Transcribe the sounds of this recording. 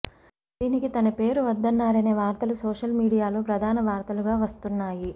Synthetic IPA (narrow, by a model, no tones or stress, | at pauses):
d̪̥iːnikit̪ɐnɐpe̞ːɾuʋɐd̪ːɐnːaːɾɐne̞ːʋaːɾt̪ɐlusɔːʂɐlmiːɽijaːlo̞ːpɾɐd̪ʱaːnɐʋaːɾt̪ɐluɡaːʋɐst̪unːaːji